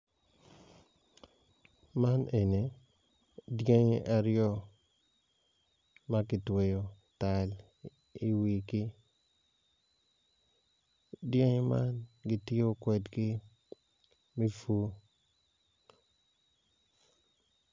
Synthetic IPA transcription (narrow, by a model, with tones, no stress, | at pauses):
ma˦ne˨ne˨ | dje˦ɲe˦ʔa˨ɾɪjɔ˦ | ma˦ɡɪ˨twe˨jo˨ | ta˨l | i˨wi˨ɡɪ˦ | dje˦ɲe˦ma˦nɡɪ˨tɪ˦o˦kwɛ˨dɡɪ˦ | mi˦fu˦